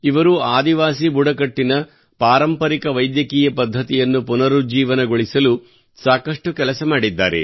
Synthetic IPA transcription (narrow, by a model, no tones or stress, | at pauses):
iʋɐɾuaːd̪iʋaːsibuɽɐkɐʈːinɐ | paːɾɐmpɐɾikɐʋɐjd̪jɐkiːjɐpɐd̪ʱːɐt̪ijɐnːupunɐɾud͡ʒiːʋɐnɐɡoɭisɐlu | saːkɐʂʈukɛlɐsɐmaːɽid̪ːa̰ːɾḛ